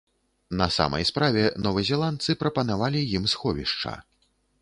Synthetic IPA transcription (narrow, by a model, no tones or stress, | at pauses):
nɐsa̰mɐ̰jspɾavʲɛnɔvɨzʲɛlˠant̪sɨpɾɐpɐnavalʲijimsxɔvʲḭʂt͡ʂɐ̰